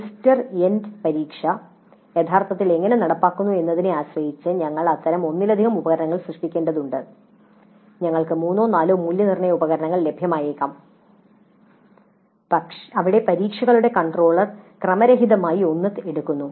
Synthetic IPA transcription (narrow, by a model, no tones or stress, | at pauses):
istɐrendpɐɾiːkʂɐ | jet̪ʰːaːrt̪ɐt̪ːile̞ŋːɐne̞nɐɽɐpːaːkːunːue̞nːɐðineaːɕʋwɐjit͡ɕːɨɲɐŋːɐɭɐt̪ːɐɾɐmo̞nːilɐd̪ʱiɣɐmubɐɣɐɾɐɳɐŋːɐɭsrɨʂʈikʲːe̞ːɳɖɐðuɳɖɨ | ɲɐŋːɐɭkɨmuːnːoːnaːloːmːuljɐnirɳɐjɐubɐɣɐɾɐɳɐŋːɐɭle̞bʱjɐmaːjeːkːaːm | pɐʂɐʋiɽe̞pɐɾiːkʂɐɣɐɭuɽe̞kɐɳɖro̞ːɭɐrkrɐmɐɾɐɦiðɐmaːjio̞nːɐteɽukːunːu